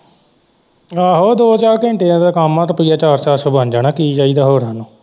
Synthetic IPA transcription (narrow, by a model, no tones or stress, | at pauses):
aːɦoːd̪oːt͡ʃaːɾkẽːɳʈeːãːd̪aːkaːmːãːt̪õːpəiːjaːt͡ʃaːɾsaːɾsoːbãːnd͡ʒaːnaːkiːd͡ʒaːiːd̪aːɦoːɾãːnũː